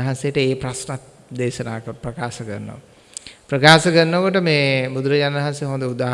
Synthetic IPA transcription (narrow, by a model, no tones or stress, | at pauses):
ɦansejəʈəeːpɾasnat̪̚ | d̪eːʃɐnaːkəpɾəkaːsəkərnːo̰ʋ | pɾəkaːsəkərːokoʈəmeːbud̪uɾəjanɐɦanseɦond̪əud̪aː